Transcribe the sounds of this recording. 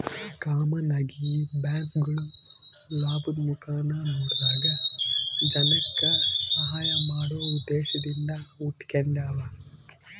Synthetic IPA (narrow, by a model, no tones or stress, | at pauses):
kaːmɐnaɡibjaːkɡɐɭu | laːbumukaːnɐmuːɖ̪daːɡɐ | d͡ʒɐnɐkːɐsɐɦaːjɐmaːɽoːud̪ːeːʃɐd̪ind̪ɐuʈkeɳɖaːʋɐ